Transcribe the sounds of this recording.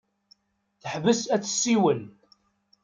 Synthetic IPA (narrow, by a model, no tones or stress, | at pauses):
θəħvəsæt͡sːə̥sːiwən